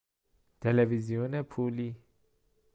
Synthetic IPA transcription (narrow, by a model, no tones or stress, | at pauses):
t̪ʰelevizionepʰuli